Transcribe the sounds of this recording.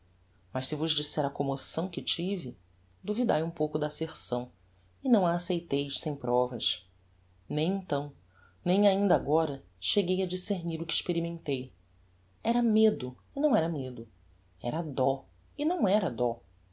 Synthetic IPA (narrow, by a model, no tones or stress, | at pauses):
mɐʃsɪvʊʒd͡ʒisɛɾɐkomosɐ̃w̃kɪt͡ʃivi | d̪uvid̪ajũpowkʊd̪ɐːseχsɐ̃w̃ | ɪnɐ̃w̃aːsejt̪ejʃsẽj̃pɾɔvɐʃ | nẽj̃ẽnt̪ɐ̃w̃ | nẽj̃aĩnd̪ɐaɡɔɾɐ | ʃeɡejɐd͡ʒiseɾniɾʊkɪɪʃpeɾimẽnt̪ej | ɛɾɐmed̪ʊ | ɪnɐ̃w̃ɛɾɐmed̪ʊ | ɛ̰ɾɐd̪ɔ | ɪnɐ̃w̃ɛɾɐd̪ɔ